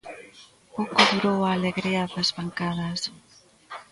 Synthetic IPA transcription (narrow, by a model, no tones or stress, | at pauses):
kokoðuɾowaleɣɾeaðazβaŋkaðas